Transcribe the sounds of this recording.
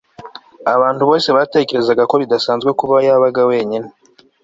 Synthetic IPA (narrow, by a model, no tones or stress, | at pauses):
aβaːntuβo̞ːse̞βaːte̞ce̞ɾe̞zaɡako̞βidasaːnzɡwekuβajaβaɡawe̞ːɲine